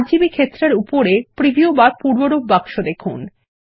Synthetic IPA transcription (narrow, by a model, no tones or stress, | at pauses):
ɾd͡ʑibikʰet̪ːɾeɾupoɾepɾibiobapuɾboɾobbakʃod̪ekʰun